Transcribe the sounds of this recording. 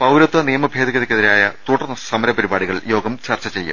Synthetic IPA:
pɐwɾɐt̪ːɐnijɐmɐbʱeːd̪iɐkːɐðikʲːeðiɾaːjɐt̪uːʈːɐnsɐmɐɾɐpɐɾibaːɽiɣɐɭjo̞ːɡɐmt͡ɕɐrt͡ɕːɐt͡ɕe̞jːṵm

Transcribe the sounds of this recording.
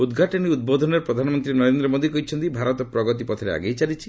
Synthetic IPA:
ud̪ɡʱaʈɔniud̪̚bod̪ʱɔnɔɾpɾɔd̪ʱanɔmɔnt̪ɾinɔɾend̪ɾɔmod̪ikɔɦit͡ʃʰɔnt̪ibʱaɾɔt̪ɔpɾɔɡɔt̪̬ipɔt̪ʰɔɾea̰ɡejt͡ʃalit͡ʃʰi̥

